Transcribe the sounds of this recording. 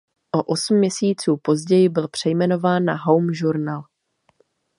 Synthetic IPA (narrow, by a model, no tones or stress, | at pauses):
ʔo̞ʔosm̩ːɲɛsiːt͡suːpo̞zɟɛjɪbɪlpr̥ɛjmɛno̞vaːnːaɦowmʒuɾnaːl